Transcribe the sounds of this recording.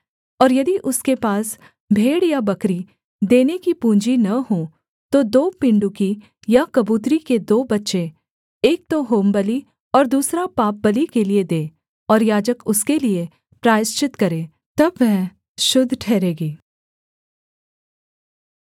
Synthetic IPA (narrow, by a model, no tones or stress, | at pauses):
ɔːɾjɐd̪iʔʊskepaːs | bʱeːɽjabɐkɾi | d̪eːnekipũːɲd͡ʒinɐɦõː | t̪od̪oːpɪ̃ɳɖuki | jakɐbuːt̪̬ɾiked̪oːbɐtːʃe | eːk̚t̪oɦoːmbɐli | ɔːɾd̪uːsɾapaːp̚bɐlikelied̪eː | ɔːɾjaːd͡ʒəkʊskelie | pɾaːɪst͡ʃɪt̪kɐɾẽː | t̪ɐbʋɛɦ | ʃʊd̪ʱːʈʰɛːɾeːɡiː